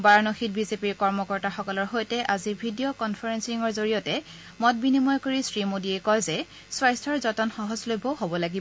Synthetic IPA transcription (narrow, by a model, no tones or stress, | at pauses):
baɹnoxit̚bizepiɹkɔɹmɔkɔɹtaxɔkɔlɔɹɦojtɛʔazibʱidijokɔnpʰaɹɛnsiŋɔɹzoɹiɔtɛ | mɔt̚binimɔjkoɹisɹimodiɛkɔjzɛ | swajstʰɔɹzɔtɔnxɔɦɔzlojbʱɔɦobɔlaɡib